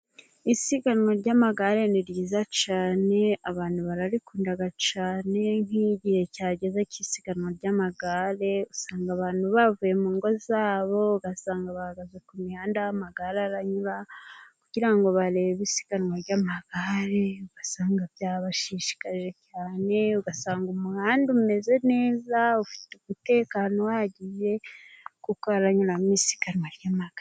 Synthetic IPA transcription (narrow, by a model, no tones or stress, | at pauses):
isiɡanŋwaɾɟamaɡaɾe̞niɾjiːzat͡ʃaːne̞aβaːn̥huβaɾaɾikuːndaɡat͡ʃaːne̞n̥hiɟihe̞caːɟe̞zacisiɡ̥anwaɾɟamaɡaɾe̞usaːŋɡaβaːn̥huβavuje̞muːŋɡo̞zaːβo̞ɡasaːŋɡaβahaɡazekumihaːndamaɡaɾaɾaɲuɾakuɟ̥iɾaŋɡo̞βaɾeβeβisi̥kaɾwaɾɟamaɡaɾeuɡ̥asaːŋɡaβjaβaʃiʃi̥kaʒe̞caːne̞uɡasaːŋɡumuhaːndume̞ze̞ne̞ːzaufi̥tumute̞ːkaːno̞waɟije̞kukoaɾaɲuɾamisi̥kaɾwaɾɟamaɡ̥a